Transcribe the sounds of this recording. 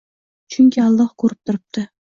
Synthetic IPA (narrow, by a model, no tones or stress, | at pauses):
t͡ʃʰʊŋkʲʰɪɑlˠːɑqkʰɵɾɪp̚t̪ʰʊɾɪp̚t̪ʰɪ